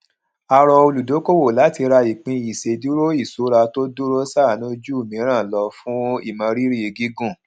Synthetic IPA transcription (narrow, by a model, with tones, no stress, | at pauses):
a˧ɾɔ˧o˧lu˨do˨˦ko˦wo˦˨la˨˦ti˧ɾa˧i˨k͡pĩ˧i˨se˨˦du˦ɾo˦i˦˨so˨˦ɾa˧to˦du˦ɾo˦sa˦˨nũ˦d͡ʒu˦u˦˨mĩ˨˦ɾ̃ã˦˨lɔ˧fũ˦i˦˨mã˧ɾi˦ɾi˦e˧ɡi˦ɡũ˦˨